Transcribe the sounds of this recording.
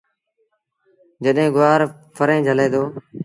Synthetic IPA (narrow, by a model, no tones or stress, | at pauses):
d͡ʒəɗɦẽːɡʊʋaːɾ | pʰəɾẽːd͡ʒʱəleːd̪oː